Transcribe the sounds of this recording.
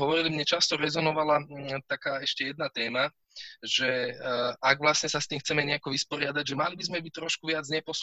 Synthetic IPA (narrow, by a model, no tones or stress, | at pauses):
ɦɔʋɔɾilimɲɛt͡ʃast̪ɔɾɛzɔnɔʋalat̪akaːɛʃcɛjɛd̪nat̪ɛːma | ʒɛ | aɡʋlasɲɛsast̪iːmxt͡sɛmɛɲɛakɔʋispɔɾɪad̪aɟʒɛmalibizmɛbic̚t̪ɾɔʃkuʋɪad͡zɲɛpɔs